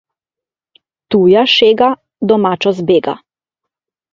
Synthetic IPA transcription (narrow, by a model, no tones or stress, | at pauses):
t̪uːjaʃeːɡa | d̪ɔmaːt͡ʃɔzbeːɡa̰